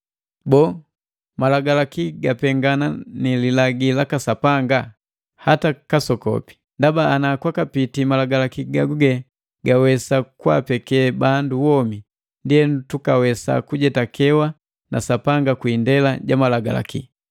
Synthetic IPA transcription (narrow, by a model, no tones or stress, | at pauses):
bɔː | malaɡalakiɡapɛŋɡananililaɡilakasapaŋɡa | hatakasɔkɔ̰pi̥ | ndabaːnakwakapitimalaɡalakiɡaɡuɡɛ | ɡawɛsakwa̰pɛkɛbanduwɔmi | ndiɛntukawɛsa̰kuɟɛtakʰɛwa | na̰sapaŋɡakwiːndɛlaɟamalaɡa̰la̰kḭ